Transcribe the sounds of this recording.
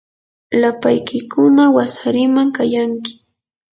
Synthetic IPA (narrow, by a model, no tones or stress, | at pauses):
lapajkɪkʊnawasaɾɪmaŋkajaŋkɪ̥